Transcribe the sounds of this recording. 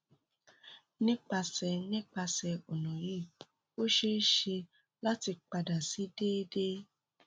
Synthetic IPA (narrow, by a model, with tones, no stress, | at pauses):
nĩ˦k͡pa˧sɛ˧nĩ˦k͡pa˧sɛ˧ɔ˨nɔ̃˨ji˦˨ | o˦ʃe˦ʃe˧ | la˦ti˧k͡pa˧da˨si˨˦de˦de˦